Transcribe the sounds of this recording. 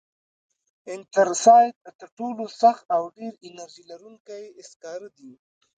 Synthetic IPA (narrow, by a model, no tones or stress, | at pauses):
ɪnʈəɾsɑjk̪ət̪əɾʈolosaxawɖeɾɪnaɾʒilaɾuŋkajeɪskɑɾəd̪i